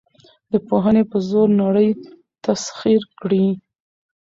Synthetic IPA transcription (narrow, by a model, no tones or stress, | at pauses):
d̪əpoɦənepəzoɾnaɽəj | t̪asxiɾkɽi